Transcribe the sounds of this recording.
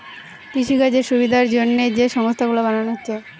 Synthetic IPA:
p̪iʃiɡad͡ʑeʃubid̪ʱaɾd͡ʑonːed͡ʑeʃɔŋost̪ʰaɡulabananoɦotːɕʰe

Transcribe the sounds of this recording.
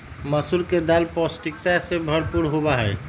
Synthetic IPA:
məsuɾked̪alpɔsʈik̚t̪asebʱəɾpuɾɦobaɦɛː

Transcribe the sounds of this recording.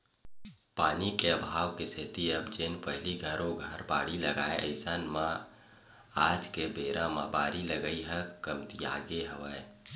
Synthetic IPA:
paːnikeəbʱaːʋkesʰɪt̪iəbd͡ʒeːnpəɦliɡʱəɾoɡʱəɾbaːɽiləɡaːeʔə̰ɪsaːnmã | aːd͡ʒkebeːɾãmã̰baːɾiləɡəiɦə̃kəmt̪ia̰ːɡeɦəʋae

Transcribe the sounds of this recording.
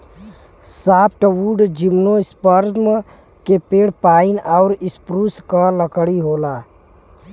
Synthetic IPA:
saːp̚ʰʈəwuɖd͡ʒimnoɪspəɾm | kepeːɽ̤paːinaʊɾɪspɾuskaləkəɽiɦoːla

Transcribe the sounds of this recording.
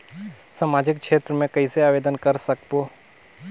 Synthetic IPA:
samaːd͡ʒɪkkʃʰeːt̪ɾəmẽkɐiseaːʋeːd̪ənkəɾsəkpoː

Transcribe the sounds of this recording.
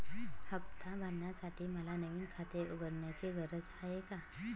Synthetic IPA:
həbt̪abʱəɾnjasaʈʰiːməlanəʋiːnkʰat̪euɡəɽɳjat͡ɕeɡəɾət͡saɦeka

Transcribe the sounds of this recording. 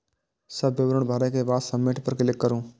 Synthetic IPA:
səbːɪʋɾʊɳ̃bʱaːɾekebaːt̪səmːeːʈpəɾkɪlɪkːəɾũː

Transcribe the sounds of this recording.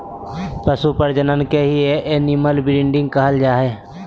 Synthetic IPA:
pəsupəɾd͡ʒənənkeɦieʔenɪməlbɪɾɪ̃ɳɖɪ̃ŋɡ̚kəɦəld͡ʒaːɦeː

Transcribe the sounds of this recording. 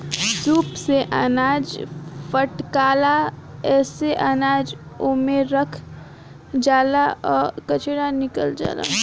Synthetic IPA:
zuːpseʔanaːd͡ʒpʰəʈkaːla | ɛːseʔənaːd͡ʒ | oːmeɾəkʰ | d͡ʒaːlaɔːɾkət͡ʃeɽanɪkəld͡ʒa̰ːla̰ː

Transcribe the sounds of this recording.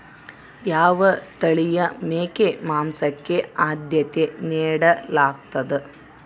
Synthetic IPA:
jaːʋɐt̪ɐɭijɐmeːkemaːmsɐkːeaːd̪jɐt̪eneːɽɐlaːk̚t̪ɐd̪ɨ

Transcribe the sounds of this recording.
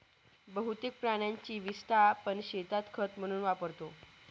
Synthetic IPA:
bəɦut̪ek̚pɾaɽ̃jaɲt͡ɕiːʋist̪ʰapəɳɕet̪at̪kʰət̪m̤əɽ̃uːnʋapəɾt̪o

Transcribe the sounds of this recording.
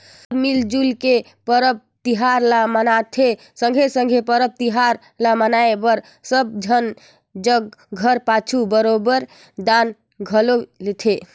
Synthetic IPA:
səbmild͡ʒulke | pəɾəp̚t̪iɦaɾlamənat̪ʰe | sə̃ŋɡʱesəŋɡʱepəɾəb̚t̪iɦaɾ | lamənaebəɾ | səb̚d͡ʒʱən | d͡ʒəɡɡʱəɾpat͡ʃʰubəɾobəɾ | d̪an | ɡʱəlolet̪ʰe

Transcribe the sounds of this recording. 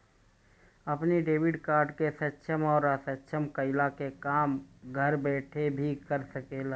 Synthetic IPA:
əpniɖeːwɪɖkaːɾɖkesətːʃʰəmɔːɾasətːʃʰəmkəɪlakekaːmɡʱəɾbɛːʈʰebʱikəɾsəkeːla

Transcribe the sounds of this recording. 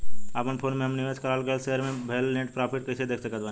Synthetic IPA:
əpənpʰoːnmẽɦɐmnɪʋeskəɾaːlkəlseɦəɾmẽbʱeːlːeʈpɾaːpʰɪʈ̚kɐt͡ʃʰed̪eːkʰsəkət̪baːn

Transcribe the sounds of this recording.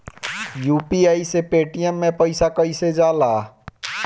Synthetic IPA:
juːpiaːisepeːʈijəmːẽpəɪsakəɪsed͡ʒaːlaː

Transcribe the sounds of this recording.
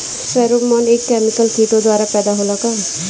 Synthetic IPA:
sɛɾomʌnekːɛmikʌlk̪ʰikod̪waɾapɛd̪aɦolɔkʌ

